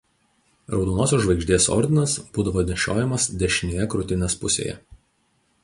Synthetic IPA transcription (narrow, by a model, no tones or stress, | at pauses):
ɾɒʊd̪oːnoːsʲoːʒʋɐɪɡʲʒʲd̪ʲeːsɔ̰ɾʲd̪ʲɪnɐsb̥uːd̪ɐʋoːd̪ʲnʲʃʲo̰ːjɛmɐsd̪ʲɛʃʲɪnʲeːjɛkɾʊt̪ʲɪnʲespʊsʲḛːjɛ̰